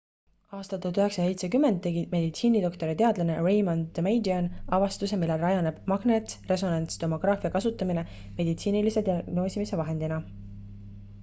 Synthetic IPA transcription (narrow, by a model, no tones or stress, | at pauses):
ɑːst̪ɑt̪ːˑut̪yɦeksɑse̞jt̪sekymːend̪̥̚ːe̞ɡime̞d̪it̪siːnid̪o̞kt̪o̞ɾit̪e̞ɑd̪lɑnerejmond̪mejd̪iɑnɑvɑst̪use̞milːe̞lɑjɑne̞b̥mɑɡ̥net̪sre̞s̬o̞nɑnt̪st̪o̞mo̞ɡ̥rɑːfiɑkɑsut̪ːˑɑmine̞ | me̞d̪it̪siːnilise̞t̪iɑɡno̞ːsimise̞vɑɦe̞nd̪̥inɑ